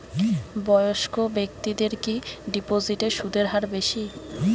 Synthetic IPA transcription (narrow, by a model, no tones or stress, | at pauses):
bɔjoʃkobek̚t̪id̪eɾkiɖipoziʈeʃud̪ʱeɾɦaɾbeʃi